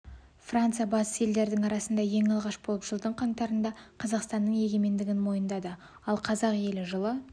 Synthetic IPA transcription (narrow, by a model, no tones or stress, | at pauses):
frant̪sɨjɑbɑsə̥sje̞ld̪e̞ɾd̪ɪŋɑɾɑsənd̪ɑje̞ŋɑlˠʁɑʃbo̞lˠəpʒ̥əlˠd̪əɴqʰɑɴt̪ɑɾənd̪ɑqʰɑzɑqst̪ɑnːəɴje̞ɡʲe̞me̞nd̪ɪɡʲɪnmo̞jənd̪ɑd̪ə | ɑlˠqʰɑzɑqje̞lɪʒəlˠə